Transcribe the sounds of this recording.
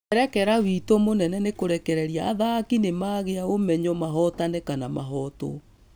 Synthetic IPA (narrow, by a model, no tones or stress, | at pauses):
ɛɾɛkɛɾawitomonɛnɛnekoɾɛkɛɾɛɾjaːðakinemaɣeaomɛɲɔmaɦɔtanɛkanamaɦɔːtɔ̰